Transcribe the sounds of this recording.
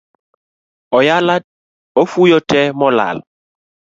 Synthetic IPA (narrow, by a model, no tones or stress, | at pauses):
ɔjala | ɔfujɔtʰɛmɔla̰l